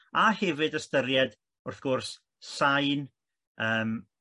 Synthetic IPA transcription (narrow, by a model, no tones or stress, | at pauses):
ahɛvɨdəstəɾjɛd | ʊrθɡ̥ʊrs | sajn | əːm